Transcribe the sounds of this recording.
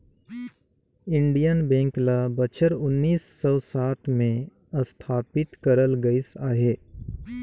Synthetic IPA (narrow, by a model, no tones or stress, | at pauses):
ɪ̃ɳɖijənbɛ̃ːŋklabət͡ʃʰəɾʊnːiːsːɔwsaːt̪ʰmẽ | əst̪ʰaːpɪt̪kəɾəlɡɐɪsaːɦeː